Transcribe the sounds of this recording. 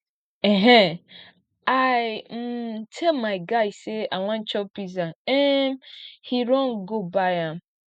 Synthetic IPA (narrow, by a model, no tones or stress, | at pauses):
eɦɛ | aɪm̩tʰɛlmaɪɡaɪsseaŋʷãn̩t͡ʃɔpizaemhiɾɔnɡobaãm̩